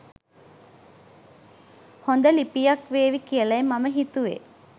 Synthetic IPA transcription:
hond̪əlipijakʋeːʋikijəlɐemaməɦit̪uʋḛ

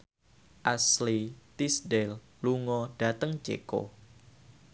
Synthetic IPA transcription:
ʔaslit̪isdɛl | luŋɔɖ̥at̪əŋt͡ʃḛko̰

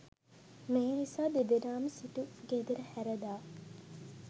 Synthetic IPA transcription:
meɦnisaːd̪eb̪eɾaːməsiʈuɡed̪eɾɐhæɾɐd̪aː

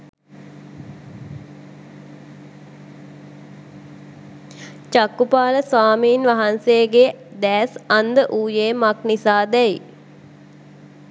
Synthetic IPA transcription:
t͡ʃakːupaːləsʋaːmiːnʋaɦanseːɡe | d̪æːsand̪əʔuːjeːmaknisaːd̪ɛi

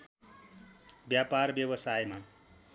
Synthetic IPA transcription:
bjaparbjʌbʌsajma

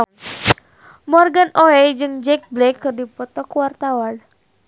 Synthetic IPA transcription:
mɔrɡanʔoɛd͡ʒɨŋd͡ʒɛk̚blɛkːɨrdipɔt̪ɔkwart̪awan

